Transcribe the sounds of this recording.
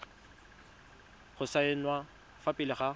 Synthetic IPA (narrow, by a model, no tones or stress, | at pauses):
χʊsaɪnwa | fapʼɪlɪχa